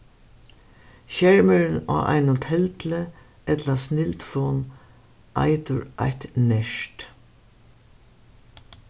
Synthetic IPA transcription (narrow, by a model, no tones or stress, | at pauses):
ʃɛɹməɾna̰ːʔa̰ɪnʊt̪ʰhɛlt̪lə | ɛt̪lasnɪlt̪fɔːn | ʔa̰ɪt̪ʊɹʔa̰jht̪nɛʂt